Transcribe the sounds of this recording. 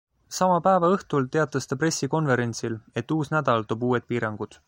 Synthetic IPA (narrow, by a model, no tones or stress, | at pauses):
sɑmɑpæevɑɤht̪ult̪e̞ɑt̪ːˑɑst̪ɑpre̞sːiko̞nve̞ɾe̞nʲt̪sile̞t̪ːuːsnæd̪̥ɑlt̪oːbuːe̞t̪̚piːɾɑŋɡ̥ud̪̥